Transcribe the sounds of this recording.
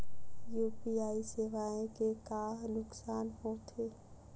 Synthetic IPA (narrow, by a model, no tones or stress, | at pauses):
juːpiaːiseːʋaːẽkekaːɦnʊksaːnhõt̪ʰeː